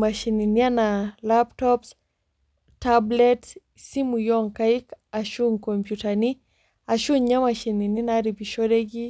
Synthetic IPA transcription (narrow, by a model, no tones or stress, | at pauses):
maʃininianalap̚tɔps | tablɛts | simujɔŋkaikaʃuŋkompjutani | aʃunɲamaʃinininaɾibiʃɔdeɡi